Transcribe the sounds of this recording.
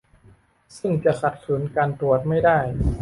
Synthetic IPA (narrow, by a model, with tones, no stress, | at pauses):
sɯ˥˩ŋt͡ɕa˨˩kʰa˨˩t̪̚su˩˦nkaː˧nt̪u˨˩ət̪̚ma˥˩jdaː˥˩j